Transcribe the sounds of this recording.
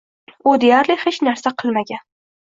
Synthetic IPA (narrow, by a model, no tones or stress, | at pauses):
ʊd̪ejaɾlɪχet͡ʃnaɾsaqʰɨlˠmaɡʲan